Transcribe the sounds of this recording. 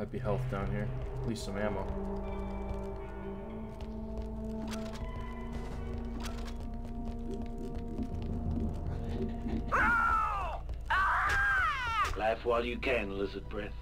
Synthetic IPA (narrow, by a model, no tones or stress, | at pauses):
aɪd̚biɦɛlˠθd̥ãʊ̃njiəliˑstsʌ̃mɛmə | læfwaɪlˠjɨkʰæ̃nlɪzəd̚bɹɛθ